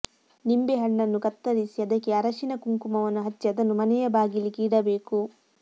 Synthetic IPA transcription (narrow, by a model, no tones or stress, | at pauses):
nimbeɦɐɳːɐnːukɐt̪ːɐɾisiɐd̪ɐkːeɐɾɐʃinɐkuŋkumɐʋɐnːuɦɐt͡ʃːiɐd̪ɐnːumɐnɛjɐbaːɡilːikiːɽɐbeːku